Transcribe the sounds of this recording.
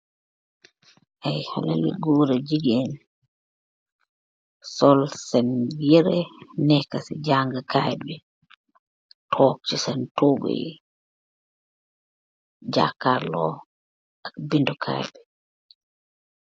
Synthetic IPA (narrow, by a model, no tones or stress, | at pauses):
ʔajha̰la̰lḭɡuːɾad͡ʒiɡiɛn | sɔlsɛnjɛɾɛnɛkːasɛ̰d͡ʒaŋɡakajɓɛ | tʰɔk̚t͡ʃɛsɛntoɡɔ̰j | d͡ʒa̰kalɔ̰ | abindɔkʰa̰jbɛ